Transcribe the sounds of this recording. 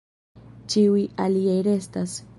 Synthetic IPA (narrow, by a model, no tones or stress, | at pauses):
t͡ʃiujaliejɾest̪as